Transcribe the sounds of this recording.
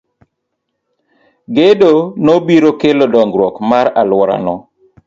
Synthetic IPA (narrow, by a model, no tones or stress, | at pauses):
ɡedonobiɾokelodɔŋɡɾwɔkmaɾalwɔɾa̰nɔ